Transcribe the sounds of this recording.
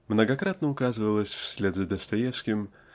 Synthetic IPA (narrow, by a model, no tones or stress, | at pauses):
mnəɡɐkɾat̪nəʊkazɨvəlˠəsʲfsʲlʲed̪zəd̪əst̪ɐjefskʲɪm